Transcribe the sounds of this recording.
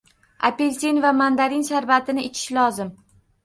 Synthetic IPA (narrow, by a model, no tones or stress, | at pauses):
a̰pelsinvamand̪aɾinʃaɾvat̪ʰɪnɪɪt͡ʃʰɪ̥ʃlɒzɪm